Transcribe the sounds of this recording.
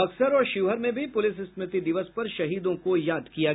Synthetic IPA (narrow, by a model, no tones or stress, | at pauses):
ɐksəɾɔːɾʃɪʋɦəɾmẽbʱipʊlɪsɪsmɪt̪id̪ɪʋəspɐɾʃɐɦiːd̪õkojaːd̪kija